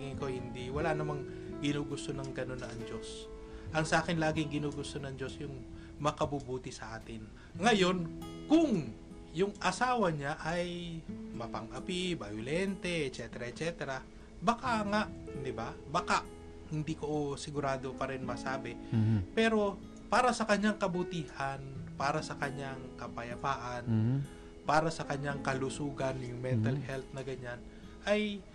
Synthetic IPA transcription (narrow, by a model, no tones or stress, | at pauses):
ŋɪŋko̞hɪnd̪iwɐlanɐmaŋ | ɡɪnuːɡʊst̪o̞nɐŋɡɐno̞nɐŋd͡ʒo̞s | ʔɐŋsɐʔaːkɪnlaːɡɪŋɡɪnuːɡʊst̪o̞nɐŋd͡ʒo̞sjʊŋ | mɐkɐbubuːt̪ɪsɐʔaːt̪ɪn | ŋɐjo̞nkʊŋ | jʊŋʔɐsaːwɐɲaʔɐjmɐpɐŋʔɐpɪbɐjʊlɛnt̪ɛɛt̪t͡ʃɛt̪ɛɾaʔɛt̪̚t͡ʃɛt̪ɛɾa | bɐkaŋaʔd̪ɪbabakaʔ | hɪnd̪iːkoʔosɪɡʊɾaːd̪opɐɾɛnmɐsaːbɪpɛːɾo̞ | paːɾɐsɐkɐɲaŋkɐbʊt̪iːhanpaːɾɐsɐkɐɲaŋkɐpɐjɐpaːʔan | paːɾɐsɐkɐɲːaŋkɐlusuːɡɐnjʊŋmɛnt̪ɐlhɛlt̪̚nɐɡɐɲan | ʔaj